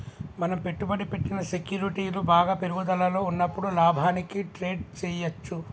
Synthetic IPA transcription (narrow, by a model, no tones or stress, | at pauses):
mɐnɐmpe̞ʈːubɐɽipe̞ʈːinɐse̞kjuːɾiʈiːlubaːɡaːpeɾuɡud̪ɐlɐlo̞ːunːɐpːuɽulaːbʱaːnikiʈɾe̞ːɖt͡ʃɛːjɐt͡ʃːu